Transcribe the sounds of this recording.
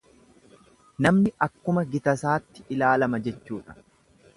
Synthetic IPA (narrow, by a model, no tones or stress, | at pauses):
nɐmnɪʔɐkːʊmɐɡɪt̪ɐsaːt̪ːɪ̥ʔɪlaːlɐmɐd͡ʒɛt͡ʃːuːᶑɐ̥